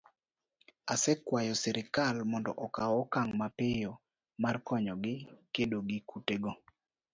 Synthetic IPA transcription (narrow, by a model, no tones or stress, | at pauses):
asɛkwajɔsɛɾɪkalmɔndɔ̰ʔɔkawɔkaŋmapɪjɔ | markɔɲɔɡɪkedoɡɪkuteɡo